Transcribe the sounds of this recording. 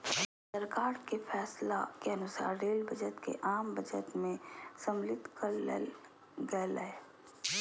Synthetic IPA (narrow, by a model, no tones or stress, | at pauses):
səɾkaːɾkefʰɛːslakeɐnʊsa̰ːɾːeːlbəd͡ʒət̪kḛʔaːmbɐd͡ʒət̪mẽsɐmlɪt̪kəɾ̰ | ɡɛlɛe